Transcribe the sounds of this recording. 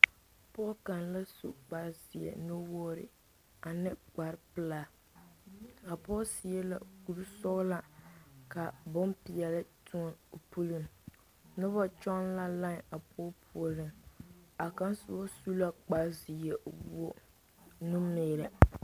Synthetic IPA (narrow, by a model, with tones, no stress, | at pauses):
pɔ˦ka˨nla˦sṵ˦k͡pa˦zɪ˨ɛ̰˨nʊ˦wɔː˦ɾɪ̰˨ | a˨nɪ˦ɡ͡ba˨ɾpɨ˦laː˦˨ | a˨pɔː˦si˨ɛ˦la̰˨ku˨ɾsɔ˦la˦ka˨bʊ˦mpi˨ɛ˨lɨ˦tʰu˦ɔ˦no˨pu˦lɨ˨m | nʊ˦ba˦t͡ʃɔ˦nla˦la˦ŋa˨pʰɔ˦pʰu˨ɔ˨lɨ˦˨ma˨ka˦nsʊ˦ba˦su˦la˦k͡pa˦zi˨jɛ˨wo˦ | nu˦meː˨ɾa˨